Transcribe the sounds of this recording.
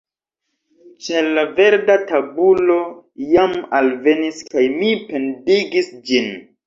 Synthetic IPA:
t͡ʃelave̞ɾdatabulo̞jamalve̞niskajmipe̞ndiɡisd͡ʒin

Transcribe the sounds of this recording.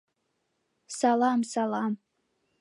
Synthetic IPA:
salamsalam

